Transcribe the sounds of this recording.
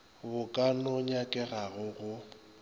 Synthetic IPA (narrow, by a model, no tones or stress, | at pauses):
bʊkʼanɔɲakʼɛɣaɣʊɣʊ